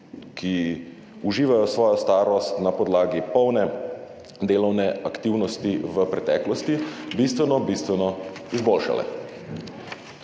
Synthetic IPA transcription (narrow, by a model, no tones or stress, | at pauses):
ki | uʒiːʋajɔsʋɔːjɔst̪aːɾɔst̪napɔd̪laːɡipɔwnɛ | d̪eːlɔwnɛakt̪iwnɔst̪iʋəpɾɛt̪ɛ̰ːklɔst̪ibist̪ʋɛnɔbist̪ʋɛnɔizboːlʃa̰lɛ̰